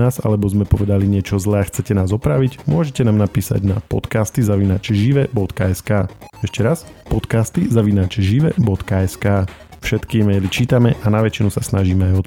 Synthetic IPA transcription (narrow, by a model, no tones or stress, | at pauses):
aːza̰lɛbɔzmɛpɔʋɛd̪aliɲɪɛt͡ʃɔzlɛːaxt͡sɛcɛnaːzɔpɾaʋiɟmʊɔʒɛcɛnaːmnapiːsa̰ɟna̰pɔ̰t̪kaːst̪izaʋinaːt͡ʃɛʒiʋɛbɔt̪kaɛskaːɛʃcɛɾas | pɔt̪kaːst̪izaʋinaːt͡ʃɛʒiʋɛbɔt̪kaɛskaː | fʃɛt̪kiɛmɛjlit͡ʃiːt̪amɛʔanaʋɛt͡ʃinusasnaʒiːmɛajɔt̪